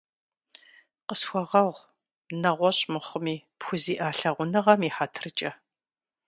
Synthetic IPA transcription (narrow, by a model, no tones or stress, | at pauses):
qəsxʷɔʁɐʁʷ | nɐʁʷɔɕʼmɨχʷəmiːpxʷʊziːʔaːɬɐʁʷʊnɨʁɐmiːħatʰɨrɨt͡ʃʼɐ